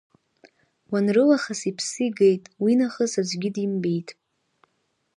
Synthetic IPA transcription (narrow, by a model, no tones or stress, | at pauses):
wanrɨlaχasipʰsɨjɡejtʼwinaχəsad͡ʒʷɡʲɪdimbejtʼ